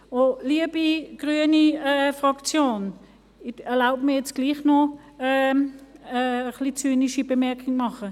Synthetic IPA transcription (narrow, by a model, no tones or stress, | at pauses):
oliəbiɡ̥ʁyəniɛfʁɑkt͡sjoːn | ɛɐlaʊbmiːɐjɛt͡sɡ̥liːχno | ɛː | əχlit͡syːniʃibemɛɐkʰɪŋmɑχə